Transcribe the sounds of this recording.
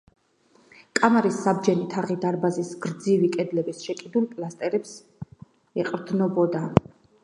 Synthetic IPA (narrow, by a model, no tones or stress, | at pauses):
kʼamaɾisːab̚d͡ʒɛnit̪ʰaʁid̪aɾbazisɡɾd̪zivikʼɛd̪lɛbisʃɛkʼid̪ulˠpʼlast̪ʼɛɾɛps | ɛqʼɾd̪nɔbɔd̪a